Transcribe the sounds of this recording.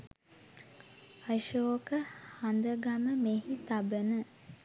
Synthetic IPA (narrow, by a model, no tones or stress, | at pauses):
aʃoːkəhand̪əɡaməmeɦit̪abənə